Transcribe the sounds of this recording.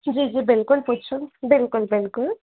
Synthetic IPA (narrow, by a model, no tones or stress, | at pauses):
d͡ʒid͡ʒibɪlkʊlput͡ʃʰubɪlkʊlbɪlkʊl